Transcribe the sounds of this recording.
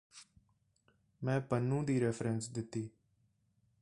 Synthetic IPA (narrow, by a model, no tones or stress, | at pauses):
mɛ̃ːpənːũːd̪iːɾɛːpʰɾənsd̪ɪt̪ːiː